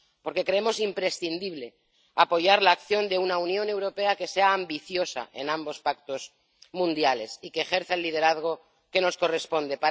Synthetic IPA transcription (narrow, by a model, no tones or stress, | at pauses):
po̞ɾke̞kɾe̞emo̞simpɾe̞sθind̪iβ̞le̞ | apo̞ʝaɾlaːkθjo̞nd̪e̞unaunjõ̞ne̞wɾo̞pe̞ake̞se̞aːmbiθjo̞sa̰ʔe̞nãmbo̞spak̚t̪o̞z | mũnd̪jale̞sikeːxe̞ɾθaelːiðe̞ɾaðɣ̞o̞ | ke̞no̞sko̞re̞spo̞nd̪e̞pa